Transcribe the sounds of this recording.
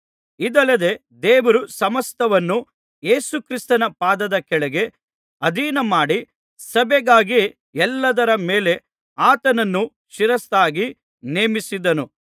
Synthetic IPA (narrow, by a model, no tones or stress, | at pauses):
id̪ɐlːɐd̪e̞ | d̪eːʋɐɾusɐmɐst̪ʰɐʋɐnːu | je̞ːsukɾist̪ɐnɐpaːd̪ɐd̪ɐkɛɭɛɡe̞ | ɐd̪ʱiːnɐmaːɽi | sɐbɛɡaːɡi | ɛlːɐd̪ɐɾɐmeːle̞ | aːt̪ɐnɐnːu | ʃiɾɐst̪aːɡi | neːmisid̪ɐnu